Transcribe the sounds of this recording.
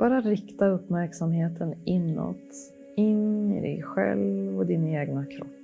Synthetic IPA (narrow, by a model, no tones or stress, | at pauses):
b̥ɑːɾaɾɪkt̪aɵpːmæɾksamheːt̪ʰənɪnːɔ̰t̪ | ɪnɪ̰d̪ɛ̰ɡɧɛ̰lvvɔd̪ɪneːɡnakʰɾɔpː